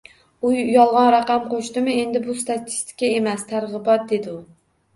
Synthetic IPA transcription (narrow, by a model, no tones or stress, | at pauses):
ujjɒlˠʁɑnɾaqɑmqʰoʃt̪ɪmɪe̞nd̪ɪbʊst̪ʰat̪ʰɪ̥st̪ʰɪ̥kʲae̞mæst̪ʰaɾʁɨbɒt̪̚d̪e̞d̪ɪʊ